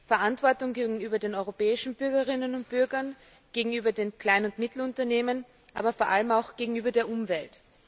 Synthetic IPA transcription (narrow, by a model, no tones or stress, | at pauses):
fɛɐʔantv̥ɔɐtʊŋɡeːɡŋ̩yːbɐdeːnɔʏʁopɛːɪʃn̩bʏɐɡɐʁɪnənʊnt̚b̥ʏɐɡɐn | ɡ̥eːɡŋ̩yːbɐdeːnkl̥aɪnʊntmɪtl̩ʊntɐneːmən | ʔa̰ːbɐfoɐʔa̰ləmaʊxɡ̥eːɡŋ̩yːbɐdeːɐʔʊmvɛlt